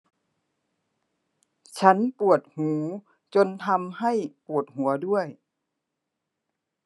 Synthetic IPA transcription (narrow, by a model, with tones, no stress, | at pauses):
t͡ɕʰa˦˥npu˨˩ət̪̚huː˩˦ | t͡ɕo˧nt̪ʰa˧mha˥˩jpu˨˩ət̪̚hu˨˩˦ɐdu˥˩əj